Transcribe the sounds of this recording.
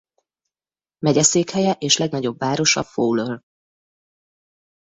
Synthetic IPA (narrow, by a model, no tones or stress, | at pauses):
mɛɟɛseːkhɛjɛʔeːʃlɛɡnɒɟo̞bvːaːɾo̞ʃɒ̰foːløl